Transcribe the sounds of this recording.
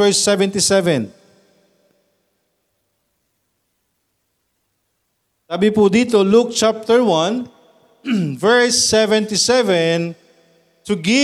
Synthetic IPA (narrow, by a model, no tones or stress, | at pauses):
ɛɹsɛvɛ̃nt̪ɪsɛvɛ̃n | saːbɪpud̪iːt̪oluk̚t͡ʃap̚t̪əɹwɐ̃n | vɛɹsːɛvɛ̃nt̪ɪsɛvɛn | t̪ʊɡɪ